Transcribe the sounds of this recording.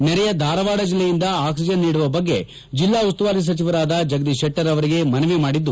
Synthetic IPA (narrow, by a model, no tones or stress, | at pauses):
nɛɾɛjɐd̪ʱaːɾɐʋaːɽɐd͡ʒilːejind̪ɐaːksid͡ʒɐnːiːɽuʋɐbɐɡːe̞ | d͡ʒilːaːust̪uʋaːɾis̬ɐt͡ʃiʋɐɾaːd̪ɐd͡ʒɐɡd̪iʃɛʈːɐɾɐʋɐɾiɡe̞mɐnɐʋimaːɽid̪ːu